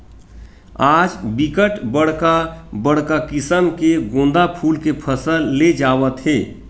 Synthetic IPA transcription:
aːd͡ʒbikəʈbəɽ̤kabəɽ̤kakɪsəmkeɡõːnd̪apʰuːlkepʰəsəlːed͡ʒaːʋət̪ɦeː

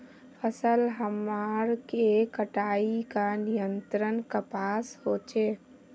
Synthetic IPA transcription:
pʰəsəlɦəmaːɾkekəʈaːikanijənt̪ɾənkəpaːsɦoːt͡ʃeː

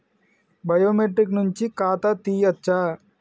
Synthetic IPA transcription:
bɐjoːmeʈɾiknuɲt͡ʃikaːt̪ɐt̪iːjɐt͡ʃːa

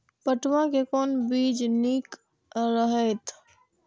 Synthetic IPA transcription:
pəʈʋãkekɔːnbiːd͡ʒnik | ɾəɦɛːt̪ʰ

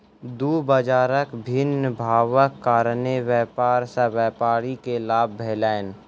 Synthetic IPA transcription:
d̪uːbəd͡ʒaːɾəkbʱɪnbʱaːwəkːaːɾneʋjɛːpaːɾsaʋjɛːpaːɾikelaːbːʱɛːlaːn

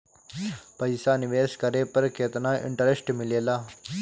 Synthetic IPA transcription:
pəjsaniʋeskəɾepəɾket̪naʔɪ̰ɳʈəɾesʈmilela

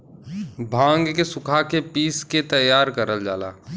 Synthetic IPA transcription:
bʱãːŋɡkesʊkʰakepiːsket̪əjaːɾkəɾəld͡ʒa̰ːla̰ː

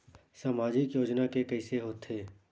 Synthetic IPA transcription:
saːmaːd͡ʒɪkjoːd͡ʒnakekəɪseɦoːt̪ɦeː

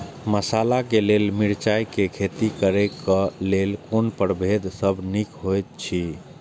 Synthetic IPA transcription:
məsalakelelmiɾt͡ʃajkekʰet̪ikəɾɛkəlelkonpəɾbʱed̪ʱsəbʱnikɦojt̪t͡ʃʰi

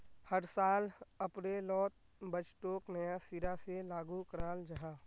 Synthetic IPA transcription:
həɾsaːləpɽelɔːt̪̚ | bət͡ʃʈoːknəjasiɾaselaːɡukəɾaːld͡ʒəɦaː

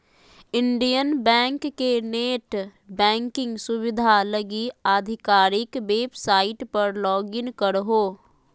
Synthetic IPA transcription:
ɪ̃ɳɖijənbɛ̃ːŋkːeneːʈbɛ̃ːŋkɪ̃ŋɡsʊwɪd̪ʱaləɡiaːd̪ʱɪkaːɾɪkbeːpsaːɪʈpɐɾlɔːɡɪnkɐɾɦoː

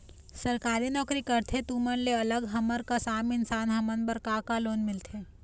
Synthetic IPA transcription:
sɐɾkaːɾinɔːkɾikəɾt̪ʰet̪uːmənleɐləɡɦɐməɾkasaːmɪnsaːnɦɐmənbəɾkaːkaloːnmɪlt̪eː

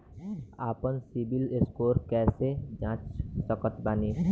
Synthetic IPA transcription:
aːpənsibilɪskoːɾkɛːsed͡ʒãːt͡ʃsəkət̪baːni

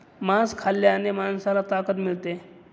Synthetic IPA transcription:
maskʰalːjanemansalat̪akət̪miɭt̪e

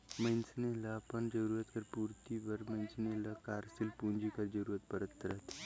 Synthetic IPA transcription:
mənsnelapəɳd͡ʑəɾuːɾət̪kəɾpuɾt̪iʋəɾmənsnelakaɾsilpuɲd͡ʑikəɾd͡ʒəɾuːɾət̪̚pəɾət̪ːəɾat̪

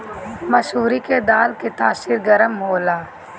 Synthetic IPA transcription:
mɐʃɦuːɾiked̪aːlkɪt̪aːʃɪɾɡɐɾəmːoːlaː

